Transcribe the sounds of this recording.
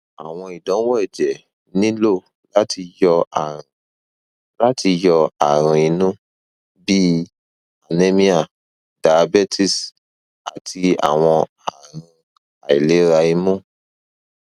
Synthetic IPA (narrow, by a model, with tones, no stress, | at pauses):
a˨w̃ɔ̃˧i˨dɔ̃˨˦wɔ˦ɛ˦˨d͡ʒɛ˨ | nĩ˦lo˦˨ | la˦tʰi˧jɔ˧a̰˨ɾ̃ã˨ | la˦tʰi˧jɔ˧a̰˨ɾ̃ũ˧i˨˧nũ˦ | bi˦ | a˨nẽ˦mĩ˦a˨ | da˨˧bɛ˦tʰi˦˨s | a̰˨tʰi˧a̰˨w̃ɔ̃˧ | a˨ɾ̃ĩ˧ | a˨i˨le˨˦ɾa˧i˧mũ˦˨